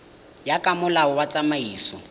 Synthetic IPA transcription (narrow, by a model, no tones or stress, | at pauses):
jakʼamʊlaʊwat͡sʼamaiːsɔ